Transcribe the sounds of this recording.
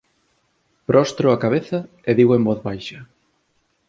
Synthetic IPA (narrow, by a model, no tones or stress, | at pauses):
pɾʔɔst̪ɾoakaβeθɐ | eðiɣoembɔθβajʃɐ